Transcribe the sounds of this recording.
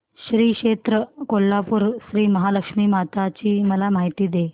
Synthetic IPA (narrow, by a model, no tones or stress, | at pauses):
ɕɾiːkʂet̪ɾəkolːapuːɾɕɾiːməɦaləkʂmiːmat̪at͡ɕiːməlamaɦit̪iːd̪e